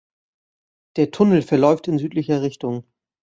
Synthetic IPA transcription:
d̥eːɐtʰʊnl̩fɛɐlɔʏftɪnzyːtlɪçɐʁɪçtʊŋ

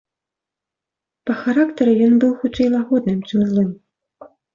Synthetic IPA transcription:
pɐxaɾakt̪ɐɾɨjɔnbɨwxut͡ʂɛjlˠaɣɔd̪nɨmt͡ʂɨmzlˠɨm

